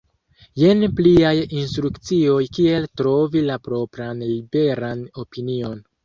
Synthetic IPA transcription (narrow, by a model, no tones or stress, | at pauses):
je̞npliajinstɾukt͡sio̞jkie̞ltɾo̞vilapɾo̞pɾanlibe̞ɾano̞pinio̞n